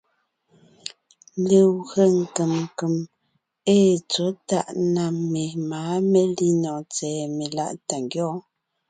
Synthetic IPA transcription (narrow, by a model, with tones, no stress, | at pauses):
le˨wɣə˦˨ŋ̩˨kə˨m˨kə˨m | eː˦t͡so˨˦ta˦˨ʔna˨me˨maː˨˦me˦li˦nɔ˨t͡sɛː˨me˨la̰˦ʔta˨ŋɡjɔː˦